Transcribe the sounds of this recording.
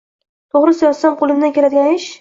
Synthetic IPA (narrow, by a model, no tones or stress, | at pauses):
t̪ʰoʁɾɪsajɒsamqʰolˠɪmd̪ankʲʰelad̪ɪɡʲanɪʃ